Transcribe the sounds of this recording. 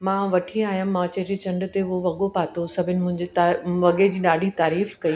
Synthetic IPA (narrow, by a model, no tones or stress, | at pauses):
mãːʋɐʈʰiaːɦijəmmãːt͡ɕɐɾet͡ɕɐ̃ɳɖʊ̆t̪eoʋɐɠopaːt̪ʰosɐbʱɪnɪ̆mʊ̃ɦɪ̃ɲd͡ʑet̪aʋɐɠed͡ʑiːɗaːɖʱit̪aːɾiːfkɐi